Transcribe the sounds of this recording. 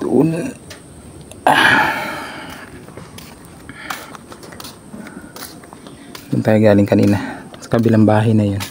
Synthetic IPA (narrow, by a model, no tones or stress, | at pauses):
d̪̥ʊʔʊn | d̪ʊnt̪ajɐɡaːlɪŋkɐnḭːnɐsɐ̥kɐbiːlɐŋbaːɦɐjnɐjon